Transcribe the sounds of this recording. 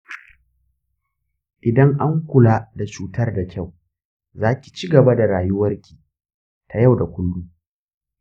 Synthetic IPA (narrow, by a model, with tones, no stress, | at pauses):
ʔɪ˨dɐ˦ŋʔa˦ŋkʷʊ˨laː˦da˨t͡ʃuː˨tɐ˦rda˨kʲa˦˨w | zaː˦kʲi̥˨t͡ʃi˦ɡɐ˨ba˦da˨ɾaː˨jʊ˦wɐ˦rkʲi̥ː˨ | tʰa˨ja˦˨wda˨kʷʊ˦lːuː˦